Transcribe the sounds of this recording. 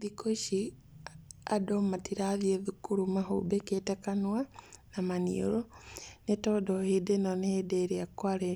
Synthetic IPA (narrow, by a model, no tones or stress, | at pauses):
ikoʃi | adɔmatiɾaðieðukuɾumaɦo̰beketɛkanwanamanḭoɾɔnetɔdɔhedenɔneedeɾeakwaɾe